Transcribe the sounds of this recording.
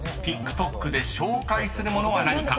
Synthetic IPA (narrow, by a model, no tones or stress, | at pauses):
t̪ʲikːɯ̟̥t̪o̞kːɯ̟d̪e̞ɕo̞ːkaisɨɾɯ̟mo̞no̞βanaɲ̟ikã